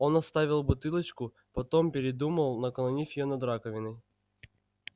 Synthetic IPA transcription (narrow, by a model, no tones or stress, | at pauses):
o̞nɐst̪avʲɪlˠbʊt̪ɨlˠət͡ɕkʊ | pɐt̪ompʲɪɾʲɪd̪uməlˠnɐkɐlˠɐnʲifʲɪjonɐd̪ɾakəvʲɪnəj